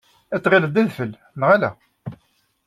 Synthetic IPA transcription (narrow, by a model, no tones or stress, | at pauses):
æt̪ːˤʁiləd̪æðfəl | nʁælæ̰